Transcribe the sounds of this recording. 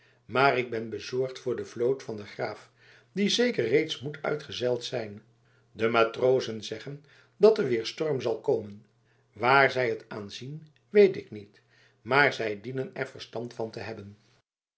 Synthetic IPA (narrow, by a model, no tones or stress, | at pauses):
maːrɪɡ̚bɛnbəzɔɹχtfʊːɹdəvlowtfɑndəχraːf | dizejkərːejtsmutʰœ̰ɥtχəzɛlˠtsɛjn | dəmaːtrowzənzɛχən | dɑtəʋɪːɹstɔɹmzɑlˠkoːmən | ʋaːɹzɛjətaːnzin | ʋejtɪknit | maːɹzɛjdinənɛɹvəɹstɑntfɑntəɦɛbən